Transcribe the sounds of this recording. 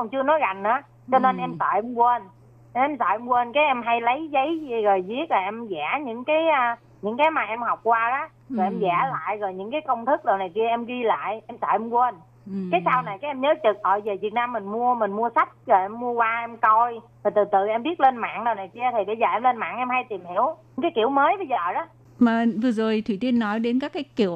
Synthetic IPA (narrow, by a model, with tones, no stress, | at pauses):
ŋ͡mt͡ɕɨ˧ənɔ˨˦jɣa˨˩jŋ̟ʔaː˨˦ | t͡ɕɔ˧ne˧nʔɛ˧msɔ̰ː˧˨˩jʔɛ˧mkwə˧n˧˩ | ɛ˧msɔ̰˧˨˩jʔɛ˧mkwə˧nkaː˨˦jʔɛ˧mɦa˧jlə˨˦jzə˨˦jɣɔ˨˩jzi˦˥ət̚laː˨˩ʔɛ˧mzɛː˧˩ɲɨ̰˧˥ŋkaː˨˦jʔː | ɲɨ̰˧˥ŋkaː˨˦jmaː˨˩ʔɛ˧mhɔ˨˩wk͡p̚kwaː˧ʔaː˨˦ | zɔ˨˩ʔɛ˧mzɛː˧˩la̰ː˧˨jɣɔ˨˩jɲɨ̰˧˥ŋkaː˨˦jkə˧wŋ͡mt̪ʰɨ˦˥k̚ɗə˨˩wna˨˩jki˧əʔɛ˧mɣi˧la̰ː˧˨jʔɛ˧msɔ̰ː˧˨˩ʔɛ˧mkwə˧n | kaː˨˦jsa˧wna˨˩jkaː˨˦ʔɛ˧mɲəː˨˦t͡ɕɨ˨˩k̚ʔɔ̰˧˨jzəː˨˩vi˨˩ənaː˧mːï˨˩ŋ̟mu˧əmï˨˩ŋ̟mu˧əsa˦˥jk̟̚ɣə˨˩jʔɛ˧mːu˧əkwaː˧ʔɛ˧mkɔ˧jt̪ʰi˨˩t̪ɨ˨˩t̪ɨ˨˩ʔɛ˧mɓi˦˥ət̚le˧nma̰ː˧˨ŋɗə˨˩wna˨˩jki˧ət̪ʰi˨˩ɓə˧jzəː˨˩ʔɛ˧mle˧nma̰ː˧˨ŋʔɛ˧mha˧jt̪i˨˩mhi˧˩əwɲɨ˧˥ŋkaː˨˦jkḭ˧˩əwməː˨˦jɓə˧jzəː˨˩ɗɔː˨˦ | məː˨˩vɨ˨˩əzo˨˩jt̪ʰwi˧˩t̪i˧ənːɔ˨˦jɗe˨˦nkaː˦˥kːaː˨˦jkḭ˧˩˨əw